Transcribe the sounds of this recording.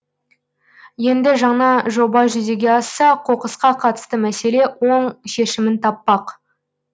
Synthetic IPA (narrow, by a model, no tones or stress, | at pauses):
je̞nd̪ɪʒɑɴnɑʒo̞bɑʒʏze̞ɡʲe̞ɑsːɑqʰo̞qəsqɑqʰɑt̪ə̥st̪əmæse̞le̞wo̞ɴʃe̞ʃɪmɪnt̪ʰɑpːɑq